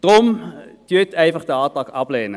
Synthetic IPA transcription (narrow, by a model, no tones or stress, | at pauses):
d̥ʁomd̥yətɛjfəχdəɑːtɑkɑpleːnə